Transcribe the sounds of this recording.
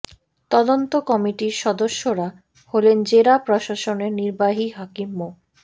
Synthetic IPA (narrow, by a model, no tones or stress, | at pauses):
t̪ɔd̪ont̪okɔmiʈiɾʃɔd̪oʃːoɾa | holend͡ʑeɾapɾoʃaʃoneɾniɾbaɦiɦakimːo